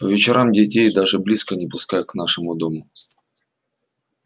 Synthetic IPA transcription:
pəvʲɪt͡ɕɪɾʔamdʲɪtʲejd̪aʐɨblʲiskənʲɪpʊskajknaʂɨmʊd̪omʊ

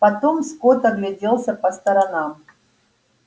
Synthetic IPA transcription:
pɐt̪omskot̪ɐɡlʲɪdʲelˠsʲəpɐst̪ɐɾɐnam

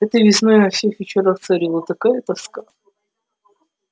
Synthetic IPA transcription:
ɛt̪əjvʲɪsnojnɐfsʲexvʲɪt͡ɕɪɾaxt̪sɐɾʲilˠət̪ɐkajət̪ɐska

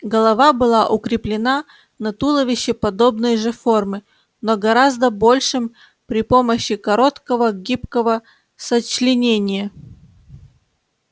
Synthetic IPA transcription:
ɡəlˠɐvabɨlˠaʔʊkɾʲɪplʲɪna | nɐt̪ulˠəvʲɪɕːɪpɐd̪o̞bnəjʐɨfo̞rmɨ | noɡɐɾazd̪əbo̞lʲʂɨm | pɾʲɪpo̞məɕːɪkɐɾo̞t̪kəvəɡʲipkəvə | sət͡ɕlʲɪnʲenʲɪjə

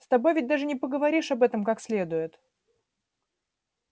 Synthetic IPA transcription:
st̪ɐbo̞jvʲɪtʲd̪aʐɨnʲɪpəɡəvɐɾʲiʂɐbɛt̪əmkaksʲlʲe̞d̪ʊjɪt̪

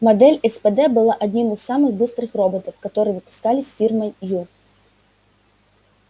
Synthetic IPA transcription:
mad̪ɛlʲɛspɛd̪ɛbɨlˠaʔad̪ʲnʲimɨsːamɨxbɨst̪ɾɨxrɔbɔt̪ɐwkat̪ɔɾɨjɛvɨpʊ̥skalʲisʲfʲirmɐjju

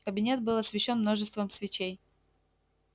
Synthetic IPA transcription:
kəbʲɪnʲe̞t̪̚bɨlˠɐsvʲɪɕːo̞nmnoʐɨst̪vəmsvʲɪt͡ɕej

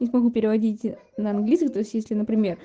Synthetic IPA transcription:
nʲɪsmɐɡupʲɪɾʲɪvɐdʲitʲnəɐnɡlʲisəxt̪o̞ɪsʲtʲjesʲlʲɪnəpɾʲɪmʲe̞r

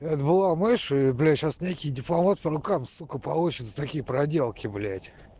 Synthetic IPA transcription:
ɛt̪bɨlˠamɨʂiblʲæɕasnʲekʲɪjdʲɪplˠɐmat̪̚pəɾʊkamsukəpɐlˠut͡ɕɪt̪sə̥t̪ɐkʲijəpɾɐdʲelˠkʲɪblʲætʲ

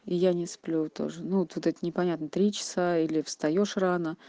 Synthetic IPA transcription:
ɪjanʲɪsplʲut̪o̞̰ʐɨnuot̪vot̪ɛt̪ənʲɪpɐnʲat̪nət̪ɾʲit͡ɕɪ̥sailʲɪfst̪ɐjoʂranə

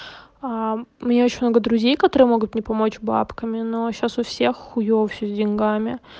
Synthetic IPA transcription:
amnʲeo̞t͡ɕɪ̥nʲmno̞ɡəd̪ɾʊzʲejkɐt̪oɾɨjəmo̞ɡʊt̪̚nʲɪpɐmo̞t͡ɕba̰pkəmʲɪnoɕasʊfsʲexːʊjofʲsʲozʲdʲɪnʲɡamʲɪ

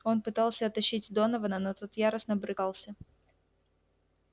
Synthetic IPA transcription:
o̞npɨt̪ɑlˠsʲəɐt̪ɐɕːitʲd̪o̞nəvənənot̪ot̪jaɾəsnəbɾɨkɑlˠsʲə

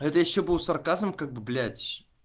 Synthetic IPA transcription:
ɛt̪əjɪɕːobɨlˠsɐrkazəmkaɡ̚bɨblʲætʲ

